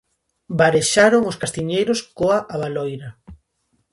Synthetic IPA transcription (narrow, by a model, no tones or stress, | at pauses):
baɾeʃaɾoŋoskast̪iɲejɾoskoaʔaβalɔjɾa